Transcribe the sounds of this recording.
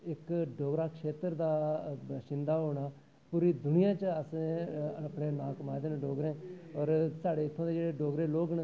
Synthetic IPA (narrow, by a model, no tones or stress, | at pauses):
ɪkɖoːɡɾaːkʃeːt̪əɾd̪aːʃɪ̃nd̪aːɦoːɽ̃aː | puːɾiːd̪ʊnɪjãːt͡ʃəəsẽːəpɳeːnãːkəmaːd̪eːnɖoːɡɾẽːɔːɾsaːɖeːɪt̪ʰːõːd̪eːd͡ʒeːɽeːɖoːɡɾeːloːɡən